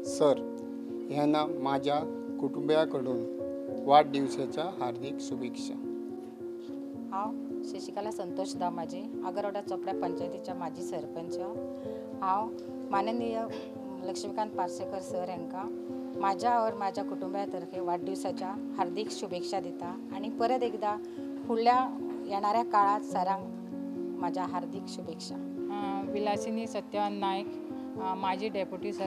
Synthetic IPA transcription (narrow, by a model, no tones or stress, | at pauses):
səɾ | janːamad͡ʑʱja | kuʈumbjakəɽuːn | ʋaʈ̚ɖiʋsat͡ɕjaɦaɾd̪ʱiksubekʂa | ɦãw | ɕeɕikalasənt̪oɕd̪ʱamad͡ʑʱea̰ɡəɾəɽat͡sɔkɽjapəɲt͡ɕajt̪it͡ɕjamad͡ʑʱiːsəɾpəɲt͡ɕa | ɦãw | manənijə | ləkʂmikãnt̪̚paɾsəkəɾsəɾɛŋka | mad͡ʑʱjaʋəɾmad͡ʑʱjakuʈumbjat̪əɾkʰeʋaɖːusat͡ɕa | haɾd̪ikɕubekʂad̪it̪aːɽ̃ipəɾət̪ekd̪a | huɭjajɛɽ̃aɾjakaɭãt̪səɾãŋɡ | mad͡ʑʱaɦaɾd̪ikɕubekʂa | bilasiniːsət̪jəannːajk | mad͡ʑʱiːɖepjuʈisə